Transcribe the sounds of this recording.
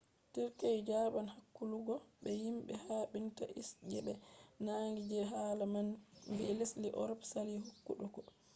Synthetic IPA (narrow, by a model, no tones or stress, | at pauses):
tiɾkajd͡ʒabanhakːuluɡɔɓɛjimɓɛhaːɓinta̰ʔisd͡ʒɛɓɛnaŋɡid͡ʒɛɦaːlamanbɛlesliʔɔ̰ɾɔpsaliɦukːṵɗɔkɔ